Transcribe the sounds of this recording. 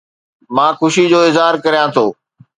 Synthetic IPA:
mãːxʊʃid͡ʑoːɪzɦaːɾkɐɾijãt̪ʰoː

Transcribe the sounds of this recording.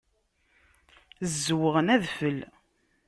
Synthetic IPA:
zːwəʁənæðfəl

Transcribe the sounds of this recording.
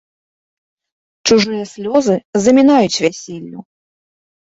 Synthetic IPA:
t͡ʂuʐɨjɐsʲlʲɔzɨzɐmʲinajut͡sʲvʲasʲɛlʲːu

